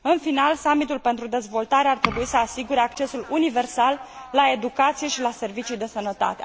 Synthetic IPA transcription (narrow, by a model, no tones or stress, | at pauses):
ɨnfinalsamit̪ulpent̪ɾud̪e̞zvo̞lt̪aɾeart̪ɾe̞buisəasiɡuɾe̞akt͡ʃe̞sulunive̞rsalːae̞d̪ukat̪sije̞ʃilase̞rvit͡ʃud̪e̞sənət̪a̰t̪ḛ